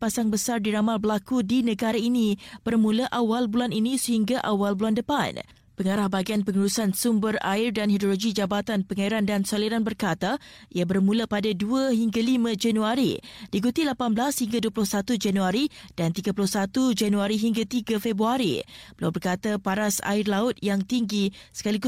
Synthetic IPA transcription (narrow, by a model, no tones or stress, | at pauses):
pasaŋbəsardiɾamalbəlakudinə̃ɡaɾainĩb̥ərmũlaʔawalbulaninĩsəɦiŋɡaʔawalbulandəpa̰n | pəŋaɾahbaɡianpəŋəɾusansumbəra̰irdanhidoloɡid͡ʒabat̪anpəŋaiɾandansoliɾanbərkat̪aiabərmũlapadaduaɦiŋɡalimə̃d͡ʒanuaɾḭd̥ikut̪ilapanblashiŋɡaduəpulʊhsat̪ud͡ʒanuaɾid̥ant̪iɡapulʊhsat̪ud͡ʒanuaɾiɦiŋɡat̪iɡafebɾuaɾḭbəlawbərkat̪apaɾasa̰ɪrlaʊt̪̚jaŋt̪iŋɡisə̥kalik